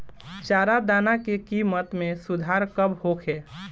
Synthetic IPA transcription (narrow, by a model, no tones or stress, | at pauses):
t͡ʃaːɾad̪aːnakekiːmət̪mẽsʊd̪ʱaːɾkəbhokʰeː